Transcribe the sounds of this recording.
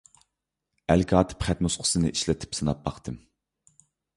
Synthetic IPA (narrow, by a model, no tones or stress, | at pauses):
ælkʲɑːt̪ʰɨ̥pχæt̪̚nusqʰʊ̥sɨnɨ̰ʔiʃlɛt̪ʰɪ̥psɨnɑp̚bɑχt̪ʰɨm